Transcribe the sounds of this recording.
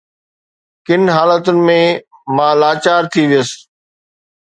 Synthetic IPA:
kɪnɦaːlət̪ʊnɪ̆mẽ | mãːlaːt͡ɕaːɾt̪ʰiʋijəs

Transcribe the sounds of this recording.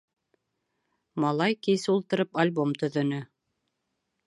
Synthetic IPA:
mɑlˠɑjkisɘulˠt̪ɤ̆ɾɤpalʲbomt̪ɵ̆ðɵ̆nɵ

